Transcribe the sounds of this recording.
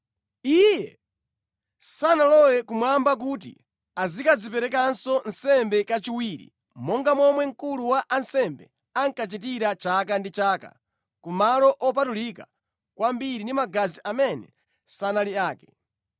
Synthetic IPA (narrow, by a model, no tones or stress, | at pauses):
ijɛ | sanalɔwɛkumwambak̬uːtḭ | azikazipɛɾɛk̬ansɔnsɛmbɛkat͡ʃiwiːɾḭ | mɔŋɡamɔmwɛŋ̩kuluwaʔansɛmbɛ | aŋkat͡ʃit̬iɾat͡ʃakandit͡ʃaːka̰ | kumalɔʔɔp̬atulika | kwambiɾindimaɡaziʔamɛnɛ̰ | sanaliaːkɛ̥